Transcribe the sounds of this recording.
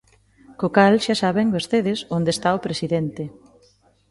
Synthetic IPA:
kokalʃasaβeŋbeɾθeðesond̪est̪aopɾesiðent̪e

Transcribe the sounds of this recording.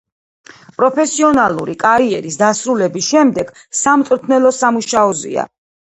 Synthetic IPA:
pʼɾɔpʰɛsiɔnalˠuɾikʼaɾiɛɾisd̪asɾulɛbisʃɛmd̪ɛɡ̥ | samt̪sʼɾt̪ʰnɛlˠɔsamuʃaɔzḭa̰

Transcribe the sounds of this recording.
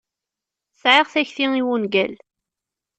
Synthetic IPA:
θʕiʁθæçθiiwunɡæl

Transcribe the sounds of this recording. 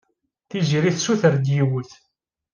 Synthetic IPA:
θiziɾiθsuθəɾd̪jiwəθ

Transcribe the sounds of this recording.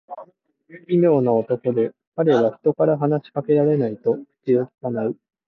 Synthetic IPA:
imʲo̞ːnaot̪o̞ko̞d̪e̞ | kaɾe̞βaçi̥t̪o̞kaɾaɦanaɕi̥kake̞ɾaɾe̞nait̪o̞̥kʲioti̥kanaɯ̟

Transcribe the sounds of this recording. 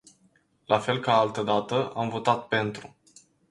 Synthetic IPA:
lafe̞lkaalt̪əd̪at̪əʔamvo̞t̪at̪̚pe̞nt̪ɾu

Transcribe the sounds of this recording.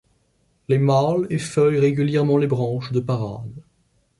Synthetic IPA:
lemalefœjʁeɡʲyljɛʁmɑ̃lebʁɑ̃ʃd̪əpaʁa̰d̪

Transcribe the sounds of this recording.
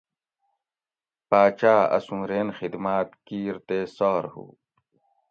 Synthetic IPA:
paːt͡ɕaːɐ̰sũːɾeːnxid̪maːt̪kiːɾt̪eːsɔːɾhṵː

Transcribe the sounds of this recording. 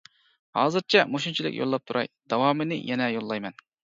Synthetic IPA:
hɑ̰ːzɨɾt͡ʃʰɛmoʃunt͡ʃʰilˠɪ̰kʲjʔo̰lˠːɑp̚t̪ʰuɾʔɑ̰jd̪ɑwɑːmɨnɪjɛnɛjolˠːɑjmɛn

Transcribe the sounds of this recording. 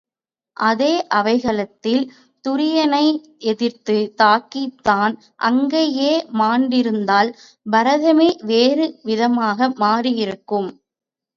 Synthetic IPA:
ʔɐðeːʔɐʋɐɪɣɐɭɐt̪ːɪl | t̪ʊɾɪjɐnɐɪ | ʔɛðɪɾt̪ɯt̪aːkːit̪ːaːn | ʔɐ̰ŋɡeːjeːmaːɳɖɪɾɯnd̪aːl | bɐɾɐðɐmeːʋeːɾɯʋɪðɐmaːɣɐmaːɾɪjɪɾɯkːɯm

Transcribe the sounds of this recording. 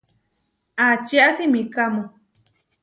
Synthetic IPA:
at͡ʃiasimĩkamõ

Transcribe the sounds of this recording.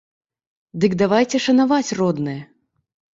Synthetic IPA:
d̪ɨɡd̪avajt͡sʲɛʂɐnavat͡sʲrɔd̪nɨjɛ

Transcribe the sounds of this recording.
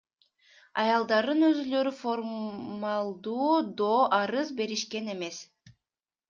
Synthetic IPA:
ɑ̰jɑlˠd̪ɑɾd̪ɯnø̞zylø̞ɾyfoɾmɑlˠd̪uːd̪oːʔɑɾɯzbe̞ɾiʃke̞ne̞me̞s

